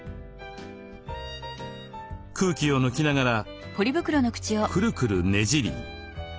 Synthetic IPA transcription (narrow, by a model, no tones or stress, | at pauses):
kʰɯːkʲio̞nokʲinaɡaɾa | po̞ɾʲibɯ̟kɯ̟ɾo̞nokɯ̟̥t͡ɕiokʰɯ̟ɾɯ̟kɯ̟ɾɯ̟ne̞ʑiɾʲḭ